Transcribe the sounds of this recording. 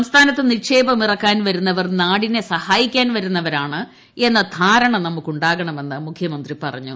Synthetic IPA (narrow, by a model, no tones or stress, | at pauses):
ɐmst̪ʰaːnɐt̪ːɨnikʂe̞ːbɐmirɐkːaːnʋɐɾunːɐʋɐrnaːɽinesɐhaːjikʲːaːnʋɐɾunːɐʋɐɾaːɳɨ | e̞nːɐt̪ʰaːɾɐɳɐmnɐmːukːuɳɖaːɣɐɳɐme̞nːɨmukʰjɐmɐnd̪ripɐrɐ̰ɲːu